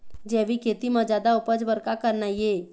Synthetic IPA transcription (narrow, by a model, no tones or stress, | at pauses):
d͡ʒɛʋikʰet̪imə̃d͡ʒad̪aupəd͡zbəɾkakəɾnaje